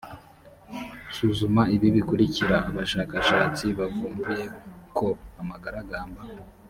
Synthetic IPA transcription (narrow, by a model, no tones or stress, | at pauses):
suːzumaiβiβikuɾiciɾaːβaʃaːkaʃaːt͡siβavuːmbuje̞ko̞amaɡaɾaɡaːmba